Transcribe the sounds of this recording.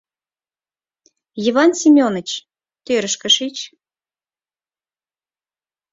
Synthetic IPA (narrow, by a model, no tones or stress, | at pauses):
jiβɑnsʲimʲonə̆t͡ɕ | t̪øɾəʃkə̆ʃit͡ɕ